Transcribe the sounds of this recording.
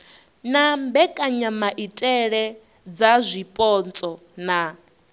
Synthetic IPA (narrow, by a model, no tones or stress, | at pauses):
nambɛkʼaɲamaʔitʼɛɺɛ | d͡zazʷipʼɔnt͡sʼɔ | na